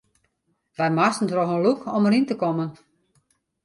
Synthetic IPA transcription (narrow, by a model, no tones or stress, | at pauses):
ʋɛjmastən̩troxənlukʰɔməɾintəkɔmən